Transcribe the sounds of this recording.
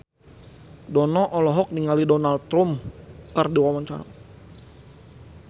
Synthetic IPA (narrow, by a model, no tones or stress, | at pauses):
dɔnɔʔɔlɔɦɔk̚niŋalidɔnal̚t̪ɾumkərdiwawaɲt͡ʃa̰ɾa̰